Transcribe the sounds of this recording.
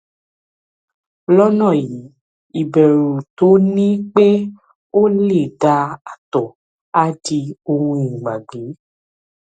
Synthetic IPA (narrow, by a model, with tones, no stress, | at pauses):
lɔ˦nɔ̃˦˨ji˨˦ | i˨bɛ˨ɾu˨to˨˦nĩ˦k͡pe˦ | o˦le˦˨ɖa˧a˨t̪ɔ˨ | a˦di˧o˧ŋũ˧˦ĩ˨ɡ͡ba˨ɡ͡be˨˦